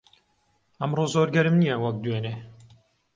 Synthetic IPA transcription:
ɐmɾoːzoːɾɡɐɾɨmnijɐwɐk̚d̪weːneː

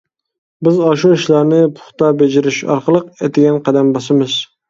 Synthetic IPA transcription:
bɪzɑʃuiʃlˠɑɾnɪpʰʊ̥χt̪ɑbed͡ʒɪɾɪʃɑ̰ɾqəlˠəqet̪ʰɪɡʲɛnqʰæd̪ɛmbɑsɨmɨz̥

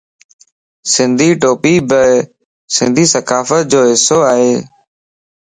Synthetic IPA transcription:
sɪ̃nd̪ʱiːʈoːpiːbə | sɪ̃nd̪ʱiːsəkaːfət̪̚d͡ʒoːɦɪsoːaːɦeː

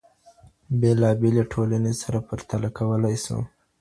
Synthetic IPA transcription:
belɑbeleʈʰolanesaɾapaɾt̪alakawəlajsṵ

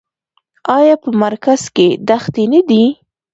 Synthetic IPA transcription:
ɑjɑpəmaɾkaz̥ked̪axt̪enad̪i

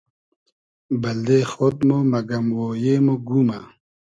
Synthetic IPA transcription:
bɐld̪eːxot̪momɐɡɐmwoːjeːmoɡuːma

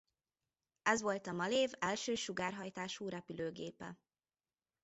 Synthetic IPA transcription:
ɛzʋo̞lt̪ɒmɒleːvɛlʃøːʃuɡaːrɦɒjt̪aːʃuːɾɛpyløːɡeːpɛ̰

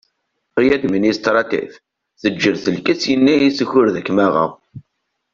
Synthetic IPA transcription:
ʁjæd̪minist̪ɾˤɑt̪ḭθ | θəd͡ʒːəɾθəlkəsjənːiisəçʊɾðækːmæʁə̰

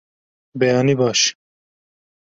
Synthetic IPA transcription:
bɛjɑːnibɑːʃ

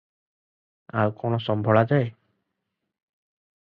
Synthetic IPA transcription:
a̰wkɔñɔsɔmbʱɔɭad͡ʒae

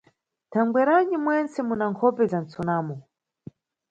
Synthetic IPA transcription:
tʰaŋɡwɛɾaɲimwɛnt͡sɛmunaŋkʰɔpɛzant͡sɔnaːmɔ

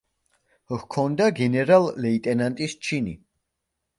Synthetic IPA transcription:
hkʰɔnd̪aɡɛnɛɾalːɛit̪ʼɛnant̪ʼist͡ʃʰini

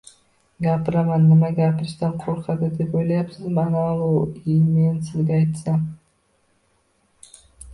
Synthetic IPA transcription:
ɡapɾamanːɪmaɡapɾst̪anqʰoɾqʰɑd̪ɨd̪e̞pojlˠajapsɨzmɑnaɑlˠuimensɪzɡʲeɑjt̪sɑm

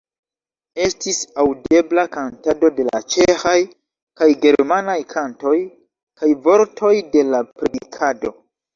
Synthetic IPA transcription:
e̞stisawde̞blakantado̞de̞la̰t͡ʃe̞xaj | kajɡe̞ɾmanajkʰanto̞j | kʰajvo̞ɾtʰo̞jde̞lapɾedikʰado̞

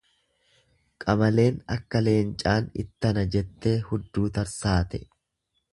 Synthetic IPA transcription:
kʼɐmɐle̞ːnɐkːɐle̞ːnt͡ʃʼaːnɪ̰t̪ːɐnɐd͡ʒɛt̪ːe̞ːhʊd̪ːuːt̪ɐɾsaːt̪ɛ

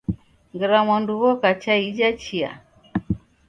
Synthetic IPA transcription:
ŋɡɛɾamanduɣɔkat͡ʃaid͡ʒat͡ʃia̰

